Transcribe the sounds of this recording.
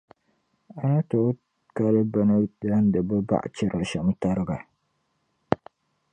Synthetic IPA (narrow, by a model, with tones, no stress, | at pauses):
a˨na˦to˨˦ | ka˦lɨ˦ba˦nɨ˦da˦n˦dɨ˨bɨ˦ba̰˦˨ʔa̰˨t͡ʃɪ˦ɾʔa˨ʃa˨m˦ta˦ɾɨ˦ɡa˨